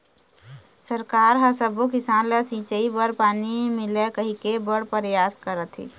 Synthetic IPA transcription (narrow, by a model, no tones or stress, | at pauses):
səɾkaɾɦəsəbukisanlesĩsəibəɽpanimilekəɦikebəɽpəɾjaskəɾət̪ʰḭ